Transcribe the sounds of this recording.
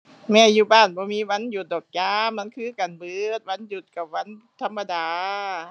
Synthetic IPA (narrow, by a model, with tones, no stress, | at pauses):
mɛː˧˩juː˧˩baː˧˥˩nbɔː˧˦miː˧˥wa˧˥˨nju˨˩t̪̚dɔː˨˩k̚jaː˧˥ma˧˥˨nkʰɯː˧˥˨ka˨˩nbɯː˧˩t̪̚wa˧˥˨nju˨˩t̪̚ka˨˩p̚wa˧˥˨n | t̪ʰa˧˥mːa˧daː˨˧